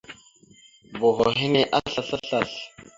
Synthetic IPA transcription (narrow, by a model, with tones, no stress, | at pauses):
bɔ˨ɣɔ˨ɦi˦ni˦ʔa˦ɬa˦ɬa˦ɬa˦˨ɬ